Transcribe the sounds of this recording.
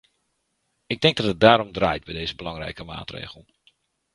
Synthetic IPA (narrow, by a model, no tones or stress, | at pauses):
ɪɡ̚dɪŋɡ̚dɔtət̚daːɾɔmdraːjt̚bɛjdejzəbəlɑŋrɛ̰jkəma̰ːtrḛːɣəl̩ˠ